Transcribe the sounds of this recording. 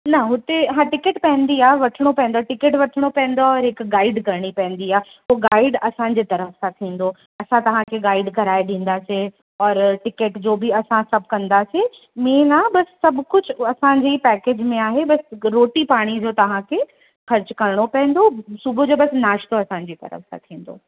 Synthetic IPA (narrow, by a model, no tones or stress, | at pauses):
nɐɦʊt̪eɦãʈɪkəʈpɐ̃ɦnd̪iaːʋɐʈʰɪɽ̃opɐ̃ɦɪ̃nd̪oaʈɪkeʈʋɐʈʰəɽ̃opɐ̃ɦɪ̃nd̪oɔːɾɦɪkɡaːɪɖkɐɾɽ̃ipɐɦɪ̃nd̪iaː | puːɡaːɪɖɐsãːɲ̆d͡ʑet̪ɐɾəfsãt̪ʰĩːn̆d̪o | ɐsãt̪ɐʋ̤ãkʰeɡaːɪɖkɐɾaːeɗĩːn̆d̪aːse | ɔːɾʈɪkeʈd͡ʑoːbʱiɐsãsɐb̚ʱkɐ̃nd̪ase | mẽːnabɐsːɐbʱkʊd͡ʑʰʊɐsãd͡ʑipɛːkeːd͡ʑmẽaːɦebɐsɾoːʈipaːɽ̃id͡ʑot̪ɐʋ̤ãkʰe | xɐɾt͡ɕkɐɾɽ̃opɐ̃ɦɪ̃n̆d̪osʊbʱod͡ʑoːbɐsnaːʃt̪oɐsãɲ̆d͡ʑiːt̪ɐ̰ɾə̰fsã̰t̪ʰĩːn̆d̪o̰ː